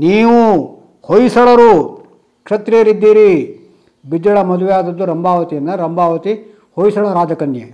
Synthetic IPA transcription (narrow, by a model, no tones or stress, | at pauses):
niːʋu | hojisɐɭɐɾu | kʂɐt̪ɾijɐɾid̪ːiːɾi | bid͡ʒɐɭɐmɐd̪uʋɛjaːd̪ɐd̪ːuɾɐmbʱaːʋɐt̪ijɐnːɐɾɐmbʱaːʋɐt̪i | hojsɐɭɐɾaːd͡ʒɐkɐnjḛ